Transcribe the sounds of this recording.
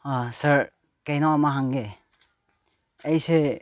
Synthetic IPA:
asaɾ | kejnaamaɦaŋɡe | ejse

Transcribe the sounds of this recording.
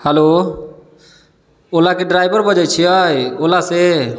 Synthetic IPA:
həlo | olakeɖɾajbəɾbəd͡ʒəjt͡ʃʰiəjolase

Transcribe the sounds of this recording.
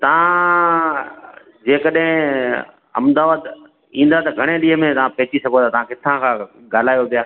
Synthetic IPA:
t̪ɐʋ̤ã | d͡ʑeːkəɗɦɪ̃ | ɐ̰md̪aːʋaːd̪ | ĩːn̆d̪at̪ɐɡʱɐɽ̃eɗiːɦəmẽt̪ɐʋãpeːt͡ɕisɐɡʱot̪aːt̪ɐʋãkɪt̪ʰãkʰãː | ɡaːl̤aːjopijaː

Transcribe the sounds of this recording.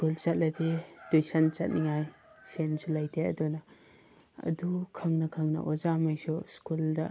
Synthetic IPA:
skult͡ʃɐt̚lɐdedujsant͡ʃɐt̚niŋajsensulajtʰeɐ̰dunɐ | ɐ̰dukʰɐŋnɐkʰɐŋnɐ̰ʔɔzamajsuskuldɐ

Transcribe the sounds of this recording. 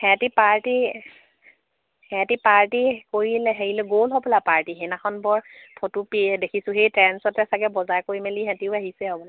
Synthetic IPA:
hɛtipaɹti | hɛ̃tipaɹtikoɹilɛɦeɹilɛɡolɦɔbɔlapaɹtiɦenaxʰɔnbɔɹpʰotupidekʰisʊ̃ɦejtɹɛnsɔtɛsaɡɛbɔzajkoɹimɛliɦɛ̃tiʊaɦisɛɦɔbɔla

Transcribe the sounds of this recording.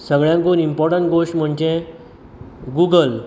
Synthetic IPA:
səɡɭjãŋkonimpɔɾʈəɳʈ̚ɡoɕʈm̤əɳd͡ʑẽ | ɡuːɡəl

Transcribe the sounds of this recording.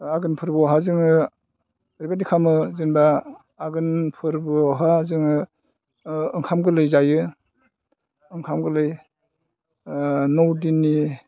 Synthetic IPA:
aɡɯnpʰɯɾbɯɦazɯŋɯ | ɾibadikʰamɯzɯnbaː | ɡɯnpʰɯɾbɯɦazɯŋɯ | ŋkʰamɡɯlɯjzajɯ | ɯŋkʰamɡɯlɯj | nowdinːi

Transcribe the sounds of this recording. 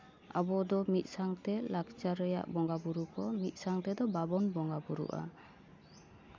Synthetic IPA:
a̰bɔd̪ɔmit̪̚ˀsaŋt̪ɛlakt͡ʃaɾɛja̰ʔbɔŋɡabuɾukɔmit̪̚ˀsaŋt̪ɛd̪ɔbabɔnbɔŋɡabuɾṵʔa̰

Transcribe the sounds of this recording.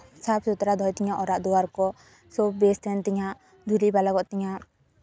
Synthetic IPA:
sap̚sut̪ɾad̪ʱɔjt̪iɲaʔɔɾaʔd̪uwaɾkɔ | sɔbɛst̪ɛnt̪ɛɲaʔ | d̪ʱulibalaɡɔʔt̪ɛɲaʔ

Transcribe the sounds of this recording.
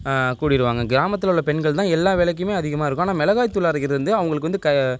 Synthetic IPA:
kuːɽɪɾɯʋaːŋɡɐɡɪɾaːmɐt̪̬ːɪlʊɭːɐpɛɳɡɐɭt̪ãːɛlːaːʋɛlɐk̬ːɪmeːɐðɪɣɐmaːɪɾɯkːʊaːnaːmɛlɐɣaːjt̪ːʊlaːɾɐkːɪɾɐðɪɾɯnd̪ɯɐʋɐŋɡɐɭɯkːɯʋɐnd̪ɯkɐ

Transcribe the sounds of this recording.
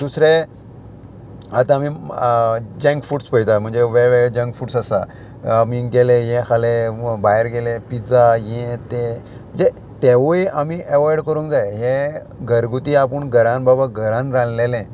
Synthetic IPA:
d̪usɾe | at̪ãːmiː | d͡ʑɛ̃ŋkfuʈspəjt̪am̤əɳd͡zeʋeʋeɾed͡ʑɛ̃ŋkfuːʈsasa̰ | amiːɡelẽjɛ̃kʰalebajɾɡelepit͡sajɛ̃t̪e | m̤əɳd͡ze | t̪eʋojamiːʔeʋajɽkəɾũːkd͡zajɦẽ | ɡʱəɾɡut̪iapəɳɡʱəɾãnbabaɡʱəɾãnɾãnlelɛ̃

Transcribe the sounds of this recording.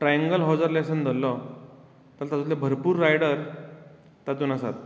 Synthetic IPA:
ʈɾajə̃ŋɡəlɦɔd͡zəɾlesənd͡z̪ʱəlɔ | t̪əɾt̪at͡sut̪lebʱəɾpuːɾːajɽəɾ | t̪at͡s̪uːnasa̰t̪̚

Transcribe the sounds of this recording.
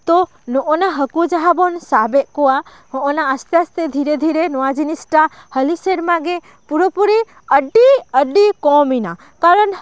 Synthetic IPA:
t̪ɔ | nɔʔɔnaɦəkud͡ʒaɦabɔnsabɛʔkɔwa | hɔ̃ʔɔnaəst̪ɛast̪ɛd̪ʱiɾɛd̪ʱiɾenɔwad͡ʒinisʈa | həliseɾmãɡɛ | puɾopuɾi | əɖiəɖikɔmina | kaɾən

